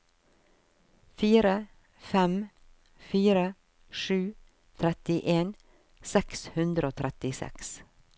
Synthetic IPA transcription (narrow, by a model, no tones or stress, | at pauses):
fiːɾə | fɛm | fiːɾə | ʃʉː | t̪ʰɾɛt̪ɪʔeːn | sɛkshʉnd̪ɾəoːt̪ʰɾɛt̪ɪsɛ̰ks